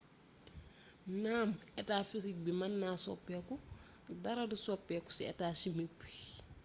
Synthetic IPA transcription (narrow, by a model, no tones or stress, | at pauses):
naːmɛtaːfisik̚bimɐnːaːsɔ̰pːɛːku | dɐɾɐdisɔpːɛːku̥siɛ̰taːsimik̚bi̥